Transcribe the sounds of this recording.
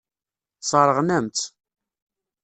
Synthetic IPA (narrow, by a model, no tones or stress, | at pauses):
sˤəɾˤəʁnæmt̪